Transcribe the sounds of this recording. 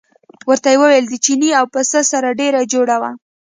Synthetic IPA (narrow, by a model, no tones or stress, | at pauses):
wəɾt̪ajewəweld̪ət͡ʃiniawpəsəsaɾaɖeɾad͡ʒoɽawa